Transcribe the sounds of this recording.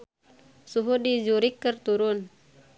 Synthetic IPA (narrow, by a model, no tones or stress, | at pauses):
suɦudid͡ʒuɾikːərt̪uɾun